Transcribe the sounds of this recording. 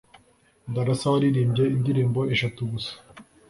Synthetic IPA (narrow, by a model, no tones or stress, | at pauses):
ndaɾasawaɾiɾiːmbjeindiɾiːmboʔeʃatuɡusḁ